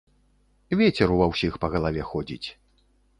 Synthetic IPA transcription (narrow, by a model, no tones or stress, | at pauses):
vʲɛt͡sʲɛɾuvɐwsʲixpɐɣɐlˠavʲɛxɔd͡zʲḭt͡sʲ